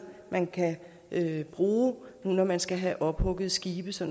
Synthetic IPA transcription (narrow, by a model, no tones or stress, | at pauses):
mʔænkʰæ | ʔøb̥ʁuːnunɒmænsɡ̥æɦæʔɒ̽b̥hɔ̽ɡ̥ð̩ˠsɡ̥iːb̥əsɒ̽n